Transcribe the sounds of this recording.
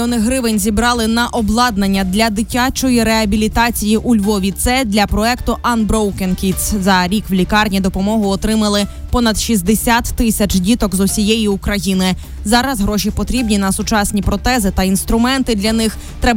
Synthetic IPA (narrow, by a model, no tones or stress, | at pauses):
ɔnɪɦɾɪʋenʲzʲibɾɑlˠɪnɐʔɔblˠɑd̪nɐnʲːɐd̪lʲɐd̪ɪtʲat͡ʃɔjiɾeɐbʲilʲit̪ɑt͡sʲijiʔulʲʋɔʋʲit̪sɛd̪lʲɐpɾɔɛkt̪ʊʔɐnbɾɔwkenkʲit̪szɐɾʲikwlʲikɑrnʲid̪ɔpɔmɔɦʊɔt̪ɾɪmɐlˠɪpɔnɐd̪ʃizʲd̪esʲat̪ːɪsʲɐt͡ʃdʲit̪ɔkzɔsʲijɛjiukɾɐjinɪ | zɑɾɐzɦɾɔʃʲipɔt̪ɾʲibnʲinɐsʊt͡ʃɑsʲnʲipɾɔt̪ɛzɪt̪ɐinst̪ɾʊmɛnt̪ɪd̪lʲɐnɪx | t̪ɾɛb